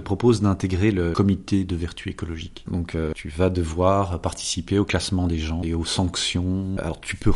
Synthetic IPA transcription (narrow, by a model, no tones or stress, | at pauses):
əpχɔpozd̪ɛ̃t̪eɡʁeləkɔmit̪ed̪əvɛʁt̪ʰyekɔlɔʒikd̪ɔ̃køt̪ʰyvad̪əvwaːʁpaʁt̪i̥sipeoklasmɑ̃d̪eʒɑ̃eosɑ̃ksjɔ̃a̰lɔ̰ʁt̪ʰypø